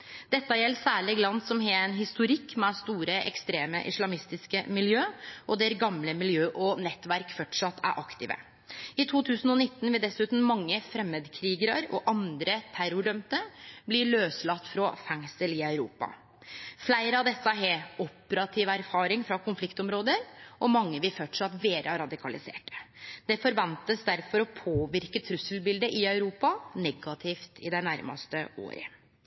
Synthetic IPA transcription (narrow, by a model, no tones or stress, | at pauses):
d̪̥ɛt̪ːɑjɛlːsæːɭɪɡlɑnsɔmɦɛːɛnɦɪst̪ʊɾɪkːmɛst̪uːɾəʔɛ̰kst̪ɾeːmə̰ʔɪ̰slɑmɪst̪ɪskəmɪljøːʔɔd̪ɛɾɡɑmləmɪljøːʔɔnɛt̪ːʋæɾkfɔʈʂɑt̪ʰːæ̰ɾʔɑkt̪ɪ̰ːʋə̰ | ɪt̪ʰuːt̪ʰʉːsn̩ɔnɪt̪ːnʋɪld̪ɛsʉːt̪n̩mɑŋːəfɾɛmːeːd̪kʰɾiːɡəɾəɾɔ̰ʔɑnd̪ɾət̪ʰæɾʊɖœmt̪əblɪɭøːslɑt̪ːfɾɔfæŋsəlɪœʉɾuːpɑ̰ | flæɪɾəɑʋd̪ɛsːɑɦeɔpəɾɑt̪ʰiːʋæɾfɑːɾɪŋfɾɑkʊnflɪkt̪ɔmɾoːd̪əɾʔɔmɑŋːəʋɪfœʈʂɑt̪ʋeːɾʔəɾɑd̪ɪkʰɑlɪsḛːʈə̥d̪̥ɛfɔɾʋɑnt̪əsd̪æɾfɔɾɔpʰoːʋɪɾkət̪ʰɾʉsːəlbɪld̪əʔɪœʉɾuːpɑnɛɡɑt̪ʰɪft̪ɪd̪æɪnæɾmɑ̰st̪əo̰ːɾə̰